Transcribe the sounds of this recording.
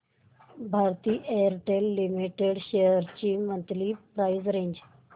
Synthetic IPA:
bʱaːɾt̪iːʔeːəɾʈelːimiʈeɖʃejəɾt͡ʃiːmə̃nt̪liːpɾaːizɾẽːɲd͡ʒ

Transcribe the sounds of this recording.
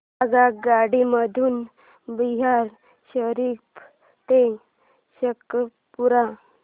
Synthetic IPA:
aɡakɡaɽiməd̪ʱuːn | biɦaɾ | ɕəɾip | t̪e | ɕəkɾə | puɾã

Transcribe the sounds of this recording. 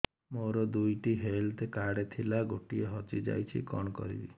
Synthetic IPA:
moɾɔd̪ujʈiɦelt̪ekaɽet̪ʰilaɡoʈieɦɔt͡ʃid͡ʒa̰jt͡ʃʰḭkɔɳ̃ɔkɔ̰ɾḭbḭ

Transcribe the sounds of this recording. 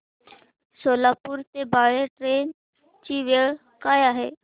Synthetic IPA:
soːlaːpʊɾt̪ebaːɽeʈɾeːn | t͡ʃiʋeːɭ | kaːjaɦeː

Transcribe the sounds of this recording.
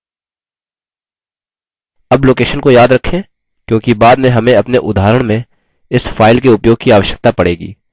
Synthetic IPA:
ɐbloːkeːʃənkojaːd̪ɾɐkʰːẽ | kjõːkibaːd̪mẽɦɐmẽɐpneʔʊd̪ʱaːɾəɽ̃mẽ | ɪsfaːɪlkeʊpjoːɡ̚kiaːʋəʃjə̥k̚t̪apɐɽeːɡḭː

